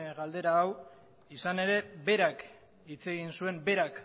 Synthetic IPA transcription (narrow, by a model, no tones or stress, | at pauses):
ɣald̪e̞ɾaːw | isane̞ɾe̞be̞ɾak | it͡se̞ɣinsue̞mbe̞ɾak